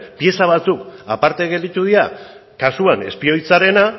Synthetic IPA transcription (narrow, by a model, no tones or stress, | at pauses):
pje̞saβ̞at͡suka̰paɾt̪e̞ɣ̞e̞ld̪it̪uð̞ia | kasuane̞̰spio̞jt͡saɾe̞na